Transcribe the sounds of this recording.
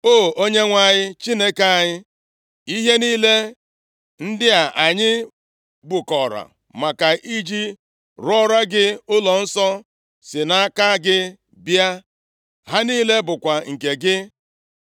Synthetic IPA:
o˦˨o˦ɲe˦ŋʷa˨ɲɪ˦t͡ʃi˦ne˦ke˨a˨ɲɪ˦ | i˦ɦe˦niː˦le˦ | n̩˦dɪ˦a˨ʔa˨ɲɪ˦ | bʊ˨kɔ˨ɾa̰˨ | ma˨ka˨ʔi˦d͡ʒi˦ | ɾɔ˦ɾa˦ɡɪ˦ʊ˦lɔ˨n̩˦sɔ˦ | sɪ˨na˦ka˦ɡɪ˦ | bja˦ | ɦa˦niː˦le˦bʊ˨kʷa˨ŋ̩˨ke˨ɡɪ˦

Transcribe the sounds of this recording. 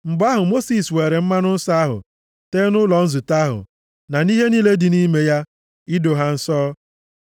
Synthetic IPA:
ŋ͡m̩˨ɡ͡ba˦ɦʊ˨mo˦si˨sweː˨ɾe˨m̩˦ma˦nʊ˦n̩˦sa˦a˦ɦʊ̰˨ | teː˦nʊ˦lɔ˨n̩˦zu˨ta˦ɦʊ̰˨ | na˨ni˦ɦe˦ni˦le˦dɪ˨ni˦me˦ja˦ | ɪ˦do˨ɦa˦n̩˦sɔː˦

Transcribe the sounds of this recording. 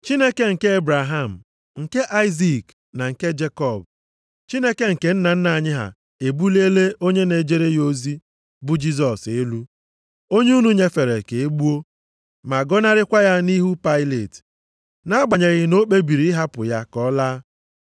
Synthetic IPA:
t͡ʃi˦ne˦ke˦ŋ̩˨ke˦e˦bɾa˨ɦa˦˨m̩˨ | ŋ̩˨ke˦ʔa˦ɪ˦zi˦˨k | na˨ŋ̩˨ke˦d͡ʒe˦kɔ˦˨b | t͡ʃi˦ne˦ke˦ŋ̩˨ke˨˦n̩˦na˨n̩˦na˨ɲɪ˦ɦa̰˨ | e˨bu˦le˦le˦o˦ɲe˦ne˨d͡ʒe˦ɾe˦jo˦zi˦ | bʊ˦d͡ʒi˦z̬ɔ˨se˦lu˦ | o˦ɲe˦u˦nu˦ɲe˦fe˨ɾe˨ke˨e˦ɡ͡bu˦o˦ | ma˨ɡɔ˦na˦ɾɪ˦kʷa˦ja˦ni˦ɦu˦pa˦ɪ˦le˨t | na˦ɡ͡ba˨ɲe˨ɣɪ˦no˦k͡pe˦bi˨ɾi˨˦ɪ˦ɦa˦pʊ˨ja˦kɔ˦laː˦

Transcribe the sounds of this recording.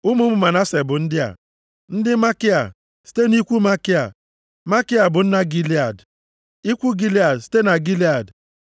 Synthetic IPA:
ʊ˦mu˦mʊ˨ma˨na˦se˨bʊ˨n̩˦dɪ˦a̰˨ | n̩˦dɪ˦ma˦kɪ˦a˨ | si̥˦te˦ni˦kʷu˦ma˦kɪ˦a̰˨ | ma˦kɪ˦a˨bʊ˨n̩˦na˦ɡi˦la˨d | i˦kʷu˦ɡi˦li˦a˨dsi̥˦te˦na˨ɡi˦li˦a˨d

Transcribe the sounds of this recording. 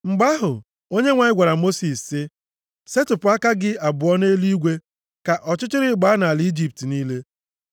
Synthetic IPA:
ŋ͡m̩˨ɡ͡ba˦ɦʊ˨ | o˦ɲe˦ŋʷa˨ɲɪ˦ɡʷa˨ɾa˨mo˦si˨ssɪ˦ | se˦tʊ˨pʊ˨˦a˦ka˦ɡɪ˦a˨bʊ˨ɔ˦ne˦li˦ɡʷe˦ | ka˨ʔɔ˨t͡ʃɪ˦t͡ʃɪ˦ɾɪ˦ɡ͡ba˦na˨a˨li˦d͡ʒi˦p̚ti˨niː˦le˦

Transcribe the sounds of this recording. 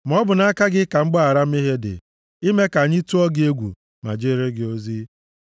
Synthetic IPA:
m̩˨ɔ˦bʊ˨na˦a˦ka˦ɡɪ˦ka˨ŋ͡m̩˦ɡ͡ba˦a˨ɾa˦m̩˦i˦ɦe˦dɪ̰˨ | i˦me˦ka˨ɲɪ˦tu˦ɔ˦ɡɪ˦e˦ɡʷṵ˨ | ma̰˨d͡ʒe˦ɾɪ˦ɡɪ˦o˦zi˦

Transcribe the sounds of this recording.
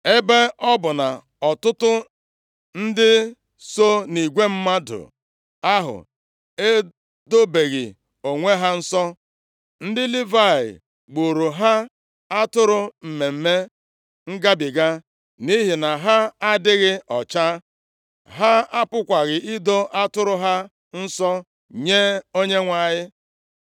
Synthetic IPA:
e˦be˦ɔ˦bʊ˨na˨ | ɔ˨tʊ˦tʊ˦ | n̩˦dɪ˦ | so˦ni˨ɡʷe˦m̩˦ma˦dʊ̰˨ | a˦ɦʊ̰˨ | e˦ | do˦be˨ɣɪ̰˨ | o˨ŋʷe˦ɦa˦n̩˦sɔ˦ | n̩˦dɪ˦li˦va˦˨ɪ̰˨ | ɡ͡bo˨ɾo˨ɦa˦ | a˦tʊ˦ɾʊ˦m̩˨me˨m̩˦me˦ | ŋ̩˦ɡa˦bɪ˨ɡa˦ | ni˦ɦi˨na˨ɦa˦a˦dɪ˦ɣɪ˦ɔ˨t͡ʃa˦ | ɦa˦a˦pʊ˦kʷa˨ɣɪ˨ʔɪ˦do˦ʔa˦tʊ˦ɾʊ˦ɦa˦ | n̩˦sɔ˦ | ɲe˦o˦ɲe˦ŋʷa˨ɲɪ˦

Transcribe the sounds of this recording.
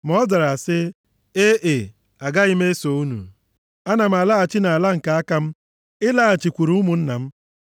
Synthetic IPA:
m˦ɔ˦za˨ɾa˨sɪ˦ | e˦ʔe˨ | a˨ɡa˦ɪ˦me˦so˨u˦nṵ˨ | a˦na˨m̩˨a˨la˦a˨t͡ʃɪ˦na˨a˨la˦ŋ̩˨ka˨a˦ka˦m̩˦ | ɪ˦la˦˨t͡ʃi˨kʷu˨ɾu˦mʊ˨n̩˦na˨m̩˦

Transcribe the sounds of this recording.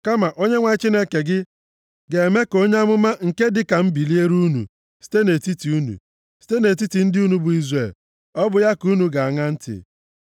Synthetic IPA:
ka˦ma˨ʔo˦ɲe˦ŋʷa˨˦t͡ʃi˦ne˦ke˨ɡɪ˦ | ɡe˨e˨me˦ko˦ɲe˦a˦mʊ˦ma˦ŋ̩˨ke˦dɪ˨ka˨m̩˦bi˨li˦e˦ɾu˦nṵ˨ | si̥˦te˦ne˨ti˦ti˨u˦nṵ˨ | si̥˦te˦ne˨t̬i˦ti˨n̩˦dɪ˦u˦nu˦bʊ˨i˦zre˨l | ɔ˦bʊ˨ja˦ku˦nu˨ɡa˨a˨ŋa˦n̩˦tɪ̰˨

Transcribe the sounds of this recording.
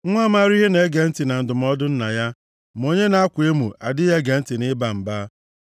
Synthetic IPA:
ŋʷa˦ma˦ɾɪ˦e˦ne˨˦ɡe˨n̩˦tɪ˨na˨n̩˨dʊ˨m˦ɔ˦dʊ˦n̩˦na˨ja˦ | mo˦ɲe˦na˦a˦kʷʊ˨e˦mu˨a˨dɪ˦je˦ɡe˨n̩˦tɪ˨nɪ˦ba˨m̩˨baː˦

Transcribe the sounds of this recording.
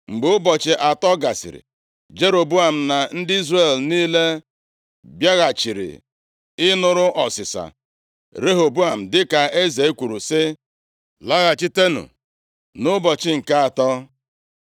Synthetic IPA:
ŋ͡m̩˨ɡ͡be˨ʊ˦bɔ˨t͡ʃɪ˨ʔa˨tɔ˦ɡa˨sɪ̰˨ɾɪ̰˨ | d͡ʒe˦ɾo˨bu˦a˨m̩˨na˨n̩˦dɪ˦i˦zre˨lniː˦le˦ | bja˦ɣa˨t͡ʃi˨ɾḭ˨ | ɪ˦nʊ˨ɾʊ˦ʔɔ˨sɪ˨sa̰˨ | ɾe˦ɦo˨bu˦a˨m̩˨dɪ˦ka˨e˦ze˨e˦kʷu˨ɾu˨sɪ˦ | la˦ɣa˨t͡ʃi˦te˦nṵ˨ | nʊ˦bɔ˨t͡ʃɪ˦ŋ̩˨ka˦a˨tɔ˦

